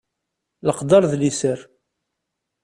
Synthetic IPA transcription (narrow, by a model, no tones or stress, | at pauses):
ləqd̪ɑɾˤðlisəɾ